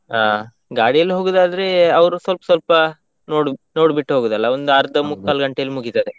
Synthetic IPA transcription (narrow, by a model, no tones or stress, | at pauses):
aː | ɡaːɽijɐlːiɦoːɡud̪aːd̪ɐɾeɐʋɐɾusʋɐlpɐsʋɐlpɐ | noːɽno̞ːɽbiʈːuɦoːɡud̪ɐlːɐond̪uɐɾd̪ɐmukːaːlɡɐɳʈejɐlːimuɡit̪ɐd̪e